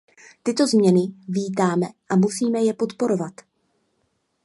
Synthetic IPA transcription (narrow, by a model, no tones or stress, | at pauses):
t̪ɪt̪o̞zmɲɛnɪviːt̪aːmɛʔamusiːmɛjɛpo̞t̪po̞ɾo̞vat̪